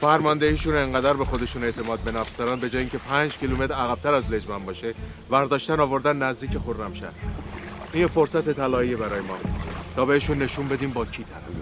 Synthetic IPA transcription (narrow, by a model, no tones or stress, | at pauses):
fæɾmɒnd̪ehiːʃuːneŋɢæd̪æɾbe̞xo̞d̪e̞ʃuːneʔt̪ʰe̞mɒːd̪̚be̞næfsd̪ɒɾæːnbe̞d͡ʒɒːjiŋkcʰe̞pʰænd͡ʒkcʰilume̞t̪ɾæɣæb̚t̪ʰæɾæzle̞d͡ʒmæmbɒːʃe | væɾd̪ɒːʃt̪ænɒːvo̞ɾd̪ænːæzd̪iːcʰexoɾnæmʃæ̰d̪ | ʔinjefo̞ɾsæt̪et̪ʰælɒːiebæɾɒːjemɒ̰ːbu̥t̪ʰɒːbe̞heʃuːnːe̞ʃumbe̞d̪iːmbɒːcʰiːt̪ʰælæf